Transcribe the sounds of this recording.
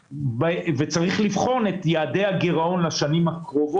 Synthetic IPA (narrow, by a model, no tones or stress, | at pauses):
bvet͡saʁiχlivχo̞net̪jaːde̞haɡeʁao̞nlaʃanimhakʁovo